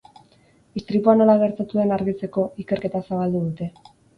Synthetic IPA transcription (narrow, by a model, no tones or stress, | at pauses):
ist̪ɾipuano̞laɣ̞e̞ɾt̪at̪uðenaɾɣit͡se̞ko̞ike̞ɾke̞t̪asaβald̪uðut̪e̞